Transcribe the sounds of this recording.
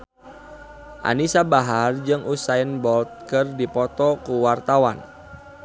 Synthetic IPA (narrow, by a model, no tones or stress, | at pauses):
ʔa̰nisabaɦard͡ʒɨŋʔusaənbɔlt̪̚kɨrdipɔt̪ɔkuwart̪awan